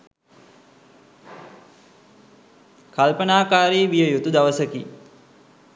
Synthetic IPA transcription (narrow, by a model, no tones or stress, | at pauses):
kalpənaːkaːɾeːʋijəjut̪ud̪aʋəsəki